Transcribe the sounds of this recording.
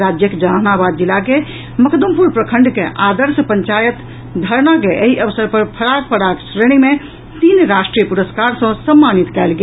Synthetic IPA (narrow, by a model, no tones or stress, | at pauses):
ɾad͡ʒjəkd͡ʒəɦanabad̪̚d͡ʒilːake | məkʰd̪umpuɾpɾəkʰəɳɖkeʔad̪əɾspəɲt͡ʃajət̪ | d̪ʱəɾnakeʔeɦiʔəʋsəɾpəɾpʰəɾak̚pəɽaksɾeɽ̃ime | t̪inɾasʈɾijəpuɾəskaɾsə̃səmːanit̪kɛlɡe